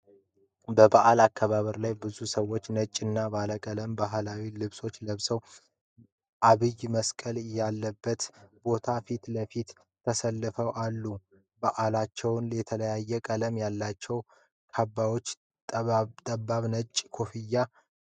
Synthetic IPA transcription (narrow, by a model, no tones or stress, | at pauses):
bəbaʔalakʰːaβaβəɾlajbɨzusəwːo̞t͡ʃːnət͡ʃʼːɨnːabaləkʼələmbaɦlawilɨβso̞t͡ʃːləβsəw | ʔaβɨjməskʼəljalːəbːət̪bo̞t̪ʰafit̪ləfit̪ | t̪ʰːəsəlːɨfəwʔalːu | baʔalat͡ʃːɛwnlɛt̪ʰələjajːɛkʼələmjalːat͡ʃːɛw | kʰabːawo̞t͡ʃː | t̪ʼt̪ʼəbːaβnət͡ʃʼkʰo̞fijːa